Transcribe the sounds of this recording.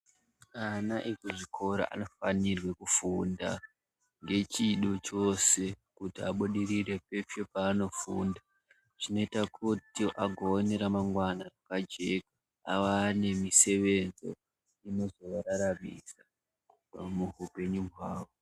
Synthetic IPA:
anaʔikoʐikʰo̞ɾo̰ʔa̰no̞fanirwe̞kufunda̰ | ŋɡe̞t͡ʃiɗo̞t͡ʃo̞se̞kutiaɓuɗirire̞pe̞fepaːno̞funda | ʐino̞itakʰutiʔaɡʱo̞ːne̞ɾamaŋɡwanarakad͡ʒe̞kḁː | wane̞mise̞ʋe̞nzo̞̰ | ino̞zo̞ʋaɾaɾamisa | muɦupe̞ɲuɦwaːwo̞

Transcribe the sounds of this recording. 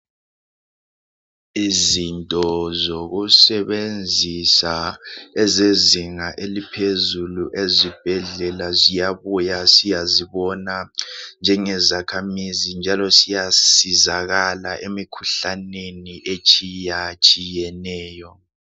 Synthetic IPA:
izintʼɔzoɣusɛβend͡zʱisaɛzeziŋaʔelipʰezuluʔezib̥ʱɛɮɛlazijaβujasijaziβɔnand͡ʒʱɛŋɛzakʰamizind͡ʒʱalɔsijasizaɣalaʔemikʰu̥ɬaneniʔet͡ʃʼijat͡ʃʼijɛnɛːjɔ

